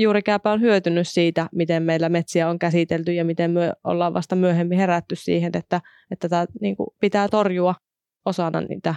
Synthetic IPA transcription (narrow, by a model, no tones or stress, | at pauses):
juːɾikæˑːpæonhyøt̪ynyssiːt̪æmit̪emmeilːæmet̪siæoŋkæsit̪elt̪yjɑmit̪emmyøʔo̰lːɑːʋʋɑ̰st̪ɑmyøhemːiheræt̪ːyssḭːhenet̪ːæ | et̪ːæt̪æniːŋkṵpit̪æːt̪orjuɑ | osɑnːɑ̰nnḭːt̪æ